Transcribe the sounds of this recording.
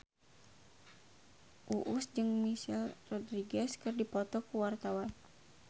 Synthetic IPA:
ʔuʔusd͡ʒɨŋmisilrɔdɾiɡɛskɨrdipɔt̪ɔkuwart̪awan

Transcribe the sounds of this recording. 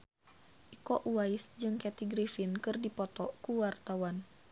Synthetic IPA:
ʔikɔʔuwaisd͡ʒɨŋkɛt̪iɡɾifinkɨrdipɔt̪ɔkuwart̪awan

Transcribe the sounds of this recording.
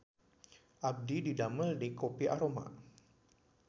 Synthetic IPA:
ʔab̚dididaməldikopiʔaɾoma̰

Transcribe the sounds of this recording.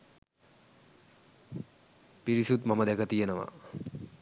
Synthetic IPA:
piɾisut̪maməd̪ɛkət̪ijenəʋa̰

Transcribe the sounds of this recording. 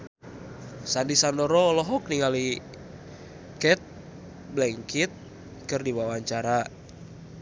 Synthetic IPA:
sandisandɔɾɔlɔɦɔk̚niŋali | kɛt̪̚ | blɛŋkit̪̚ | kɨrdiwawaɲt͡ʃaɾa

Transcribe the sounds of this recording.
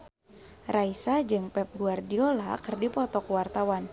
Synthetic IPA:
raisad͡ʒɨŋpɛp̚ɡuardiolakɨrdipɔt̪ɔkwart̪awan

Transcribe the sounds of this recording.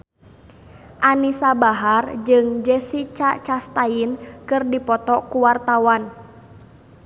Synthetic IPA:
ʔanisabaɦard͡ʒɨŋd͡ʒɛsit͡ʃat͡ʃast̪ainkɨrdipɔt̪ɔkuwart̪awan

